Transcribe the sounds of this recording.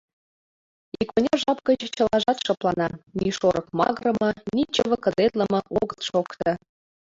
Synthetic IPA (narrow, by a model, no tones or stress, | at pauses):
ikŏnʲɑʒɑpkə̆t͡ɕt͡ɕɤ̆lɑʒɑt̪ʃɤplˠɑnɑnʲiʃoɾɤ̆kmɑɣɾɤ̆mɤ̆nit͡ɕəβə̆kɤ̆zet̪lə̆mɤ̆ʔoɣə̆t̪ʃokt̪ɤ̆